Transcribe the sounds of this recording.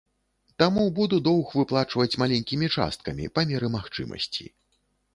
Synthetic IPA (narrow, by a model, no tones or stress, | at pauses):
t̪amubud̪ud̪ɔwxvɨplˠat͡ʂvɐt͡sʲmalʲenʲkʲimʲit͡ʂa̰st̪̚kɐmʲḭpamʲɛɾɨmaxt͡ʂɨ̰mɐ̰sʲt͡sʲḭ